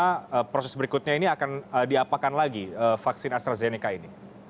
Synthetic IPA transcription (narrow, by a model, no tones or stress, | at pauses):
aəpɾosɛsbəɾikut̪̚ɲainiakanədiapakanlaɡiəfaksɪnast̪ɾazenikaini